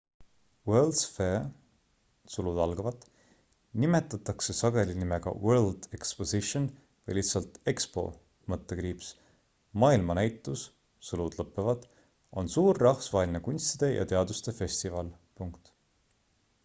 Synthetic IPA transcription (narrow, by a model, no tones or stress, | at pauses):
weld̪̥sfe | sulud̪ɑlɡ̥ɑvɑt̪ːˑ | nime̞t̪ːˑɑt̪ːˑɑkse̞sɑɡe̞linimeɡ̥ɑ̰weld̪̥eksposiʃon | vɤjlisːɑlt̪e̞kspo̞̰ | mɤt̪ːekɾiːps | mɑːilmɑnæjt̪ːˑus | sulud̪̥lɤpːˑevɑd̪̥ | o̞̰nsuːrːɑhfsvɑelʲinekunʲst̪id̪̥e̞jʔɑ̰t̪e̞ɑd̪ust̪e̞fe̞st̪ivɑl | puŋkt̪